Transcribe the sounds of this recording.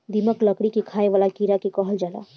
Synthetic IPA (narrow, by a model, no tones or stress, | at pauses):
d̪iməkləkɽikekʰaːeʋaːlakiɾakekɔɦəld͡ʒaːla̰